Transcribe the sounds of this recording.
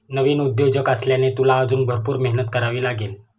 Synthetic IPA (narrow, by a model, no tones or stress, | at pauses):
nəʋiːnud̪jod͡ʑəkasljanet̪ulaːd͡zuːnbʱəɾpuːɾmeɦnət̪kəɾaʋiːlaɡel